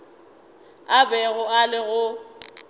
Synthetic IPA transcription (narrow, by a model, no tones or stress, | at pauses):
abɛɣʊalɪɣʊ